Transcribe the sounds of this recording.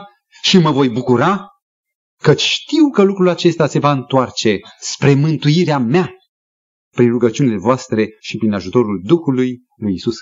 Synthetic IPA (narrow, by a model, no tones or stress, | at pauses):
ʃiməvo̞jbukuɾa | kət͡ʃʲʃt̪iwkəlukɾulat͡ʃe̞st̪ase̞vaɨnt̪oart͡ʃe̞spɾe̞mɨnt̪ujiɾeamea | pɾinruɡət͡ʃiunile̞voast̪ɾe̞ʃipɾinaʒut̪o̞ɾuld̪uxuluj | lujisus